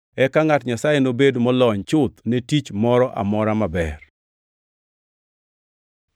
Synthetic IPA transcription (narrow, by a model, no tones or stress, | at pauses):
ɛkaŋatɲasajenobedmɔlɔɲt͡ʃʊt̪netit͡ʃmɔɾɔʔa̰mɔɾamabɛ̰r